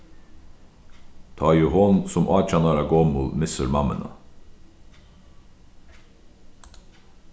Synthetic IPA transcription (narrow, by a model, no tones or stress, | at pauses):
t̪ʰɑːjʉːhɔnsɔmʔɑːt͡ʃɑnɑɾɑɡoːmṵlmɪsəɾmɑmə̰nʔɑ̰